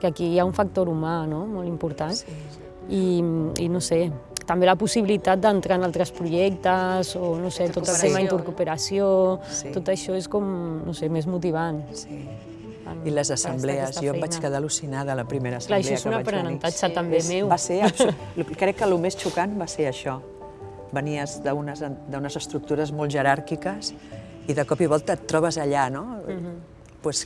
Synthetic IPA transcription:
kəkijauɱfak̚t̪oɾumanomolˠimpuɾt̪an | iḭnoset̪ɐmbelɐpusiβilit̪at̪̚d̪ənt̪ɾaənalˠt̪ɾəspɾuʒɛk̚t̪əzonoset̪ott̪əlt̪emaðint̪uɾkupeɾasijot̪ot̪əʃɔeskɔmnosemezmut̪̬iβ̞ansi | a̰iləzəsəmblɛəzjɔbat͡ʃkəðaəlusinaðələpɾimeɾəːsəklaʃlɔezunapɾənənt̪at͡ʃat̪ambemewbaseslukɾɛkːəlumest͡ʃukanbaseɾəʃɔ | bəniəzðəunəzəd̪əunəzəst̪ɾuk̚t̪uɾəzmɔlˠʒəɾaɾkikəs | iðəkɔpiβɔlˠt̪əːt̪ːɾɔβəzəʎano | pwɛs

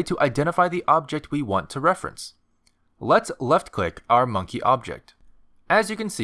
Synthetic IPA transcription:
tʰəʔaɪdɛ̃ɾ̃əfaɪðiʔɑb̚d͡ʒɛk̚t̚wiwɑ̰̃ntʰəɹɛfɹɨ̰̃ns | lətslɛftkʰl̥ɪkaʊə˞mʌ̃ŋkʰiʔɑb̚d͡ʒɛ̰k̚t | ɨzjɨkɨ̃n̩si

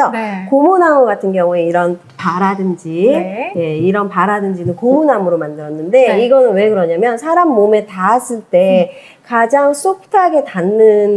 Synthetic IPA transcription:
ʌkomonamɯɡatʰɯnɡjʌŋue̞iɾʌn | paɾadɯnd͡ʑije̞iɾʌnpaɾadɯnd͡ʑinɯnkomunamɯɾomandɯɾʌnːɯnde̞iɡʌnɯnwe̞kɯɾʌɲamjʌnsʰaɾamːome̞taːs͈ɯɭt͈e̞ | kad͡ʑaŋs͈ok̚tʰaɡe̞tanːɯn

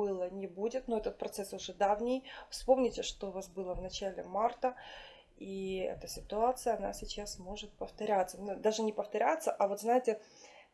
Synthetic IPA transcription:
ɨlˠənʲɪbudʲɪt̪noɛt̪ət̪̚pɾɐt̪sɛsʊʐɛd̪avnʲɪjfspo̞mnʲɪtʲɪʂt̪oʊvasbɨlˠəvnɐt͡ɕælʲɪ̰mart̪ə | iɛ̰t̪əsʲɪt̪ʊat̪sɨjəɐna̰sʲɪt͡ɕasmo̞ʐɨt̪̚pəft̪ɐɾʲat̪sənd̪aʐɨnʲɪpəft̪ɐɾʲat̪səʔɐvo̞t̪znajɪtʲɪ

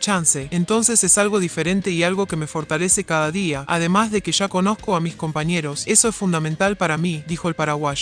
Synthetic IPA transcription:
t͡ʃanseːnt̪o̞nse̞sesalɣo̞ðife̞ɾe̞nt̪eialɣo̞ke̞me̞fo̞ɾt̪ale̞se̞kaðaðiaʔað̞e̞mazðe̞keʒ̥ako̞no̞skoamisko̞mpaɲe̞ɾo̞se̞so̞esfund̪amẽnt̪alpaɾamid̪ixo̞elpaɾaɣwaʃ

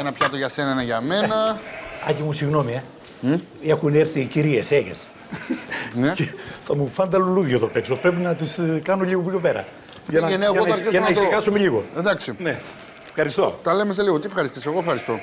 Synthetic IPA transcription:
enɐpçɐt̪oʝɐse̞nɐnɐʝɐme̞nɐɐcimusiɣno̞mie | e̞xuneɾθiciɾieseʝḛs | nceθɐmufɐnd̪ɐluluʝot̪opekso̞pɾe̞pinɐt̪iskɐnoʎiɣopço̞pe̞ɾɐ̰ | ʝɐnɐeneeɣot̪ɐɾçesɐnnɐisɣɐsomeʎiɣo̞ed̪ɐksine | fxɐɾist̪o̞̰t̪ɐlemes̬eliɣot̪iefxɐɾist̪iseɣoefxɐɾist̪o̞

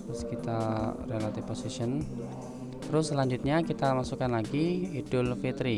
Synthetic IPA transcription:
ɾʊskit̪arelat̪ɪfposisən | t̪əɾʊslaɲd͡ʒʊt̪̚ɲakit̪amasukanlaɡiːdʊlfit̪ɾi

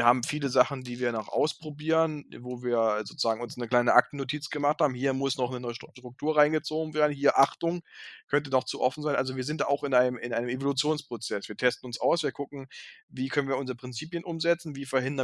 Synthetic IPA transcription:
ɐhaːbm̩fiːləzaχn̩diːviːɐnɔχʔa̰ʊspʁ̥obiːʁənvoːviːɐzoːt͡suz̥aːɡŋʊnsnəkl̥aɪnəʔak̚tn̩ːotʰiːt͡sɡ̥əmaχthaːbm̩hiːɐmʊsnɔχnənɔʃʃtʁ̥ʊk̚tʰuːɐʁaɪnɡət͡soːɡŋ̩veːɐdn̩hiːɐʔaχtʊŋkʰœnt̬ədɔχt͡suʔɔfn̩zaɪnʔalzoviːɐzɪntd̥aːaʊxɪnʔaɪnəmɪnʔaɪnəmʔevolut͡sjoːnspʁ̥ot͡sɛsv̥iːɐtʰɛstn̩ʊnsʔaʊsv̥iːɐkʰʊkŋ̩viːkʰœnənviːɐʊnzʁəpʁ̥ɪnt͡siːpjənʔʊmzɛt͡sn̩viːfɛɐhɪndɐ

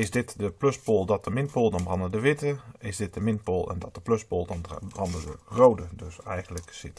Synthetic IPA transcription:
ɪsdɪtdəpløspoːlˠdɔt̚dəmɪnt̚poːlˠdɔnbrɑndədəʋɪtəɪsdɪt̚d̥əmɪntpoːlˠʔɛ̰ndɔt̚dəpløspoːlˠdɑnbrɑndədə̰rowdədøsɛ̰jɣən̩ləksɪ̰t

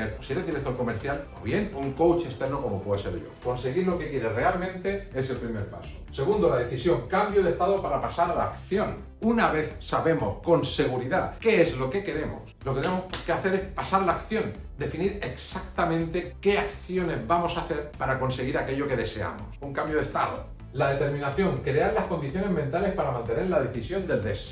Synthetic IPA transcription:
eɾosieɾeðiɾek̚t̪oko̞meɾθjalo̰βje̞nuuŋko̞wt͡ʃest̪eɾnoko̞mo̞pweðo̞se̞̰ɾʝo̞̰ko̞nse̞ɣiɾlo̞ke̞kje̞ɾere̞almẽ̞nt̪e̞es̬e̞lpɾime̞ɾpa̰so̥se̞ɣ̞und̪olaðe̞θisjo̞ŋkambjoðeht̪aðopaɾapasaɾalakθjo̞n | unaβ̞e̞θsaβe̞mo̞hko̞nse̞ɣ̞uɾiðake̞ezlo̞ke̞ke̞ɾe̞mo̰sloket̪enemoke̞aθe̞ɾe̞hpasaɾlaːkθjo̞n | d̪e̞finiɾe̞ksakt̪amẽnt̪e̞ke̞akθjo̞ne̞zβamo̞saθe̞ɾpaɾako̞nse̞ɣiɾake̞ʎo̞ke̞ðe̞se̞a̰mo̰suŋkambjoðe̞st̪aðo̰ | laðe̞t̪e̞ɾmĩnaθjo̞ŋkɾeaɾlahko̞nd̪iθjo̞ne̞ɦmẽnt̪ale̞hpaɾamãnt̪e̞ne̞ɾlað̞e̞θisjo̞nd̪e̞ld̪es

